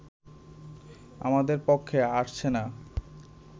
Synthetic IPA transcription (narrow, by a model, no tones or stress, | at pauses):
a̰mad̪eɾpokʰːeaʃt͡ɕʰena